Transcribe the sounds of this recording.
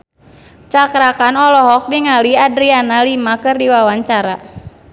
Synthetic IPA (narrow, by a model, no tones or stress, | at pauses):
t͡ʃakɾakanɔlɔɦɔk̚diŋaliadɾianalimakɨrdiwawaɲt͡ʃaɾa